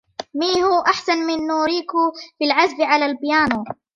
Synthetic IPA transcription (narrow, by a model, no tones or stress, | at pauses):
miːhʊːʔaħsanmɪnːuːɾiːkʊfilʕazbɪʕalaːlbjaːnuː